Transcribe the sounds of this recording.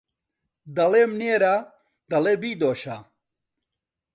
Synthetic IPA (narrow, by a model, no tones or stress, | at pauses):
d̪ɐlemneːɾa | d̪ɐlebiːd̪oːɕa